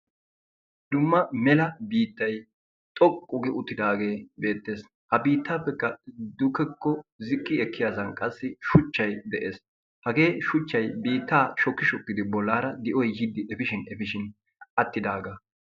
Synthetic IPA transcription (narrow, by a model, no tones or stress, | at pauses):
d̪ʊmːɐmɛlɐbiːt̪ːɐj | t̪ʼɔkʼːʊɡɛʊt̪ːɪd̪aːɡe̞ːbe̞ːt̪ːe̞ːs | hɐbiːt̪ːaːpːɛkːɐd̪ʊkːɛkːɔzɪkʼːɪɛkːɪjaːzɐnkʼɐsːɪʃʊt͡ʃːɐjd̪ɛʔe̞ːs | hɐɡe̞ːʃʊt͡ʃːɐjbiːt̪ːaːʃɔkːɪʃɔkːɪd̪ɪbɔlːaːɾɐd̪ɪʔɔjhɪd̪ːɪʔɛfɪʃɪnɛfɪʃɪn | ʔɐt̪ːɪd̪aːɡɐ